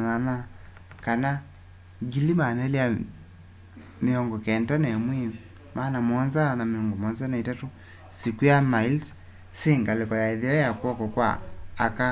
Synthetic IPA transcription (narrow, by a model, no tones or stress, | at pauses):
nana | kana | ɡilimanalja | meɔŋɡɔkɛntanɛmwi | maːnamɔnzanameɔŋɡɔmɔnzanaitatu | sikujamails | siŋɡalekɔjaiðiɔjakwɔkɔkwa̰ːka